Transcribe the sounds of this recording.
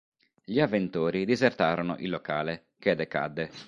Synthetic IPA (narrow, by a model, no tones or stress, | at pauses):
ʎiavːent̪oːɾid̪izert̪aːɾono̰ʔilːokaːle | k̟ed̪eka̰d̪ːe